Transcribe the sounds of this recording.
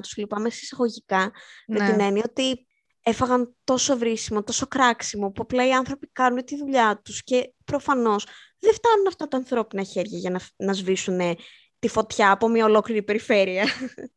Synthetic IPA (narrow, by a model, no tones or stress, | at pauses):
t̪u̥z̥lipɐmesi̥sɐɣo̞ʝikɐmet̪ine̞nio̞t̪i | e̞fɐɣɐnt̪o̞so̞vɾisimo̞t̪o̞so̞kɾɐksimo̞puplɐiɐnθɾo̞pikɐnunt̪iðuʎɐt̪usce̞pɾo̞fɐno̞s | ðeft̪ɐnunɐft̪ɐt̪ɐːnθɾo̞pinɐçe̞ɾʝɐʝɐnɐnɐzvisune̞ | t̪ifo̞t̪çɐːpo̞mɲɐo̞lo̞kliɾipe̞ɾife̞ɾiɐ